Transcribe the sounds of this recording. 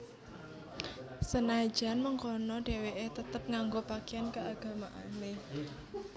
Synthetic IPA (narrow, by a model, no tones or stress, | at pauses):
sənḁd͡ʒ̥a̤nməŋkɔnɔɖ̥e̤weʔet̪ət̪əp̚ŋaŋɡopakeankəaɡ̥ä̤maʔane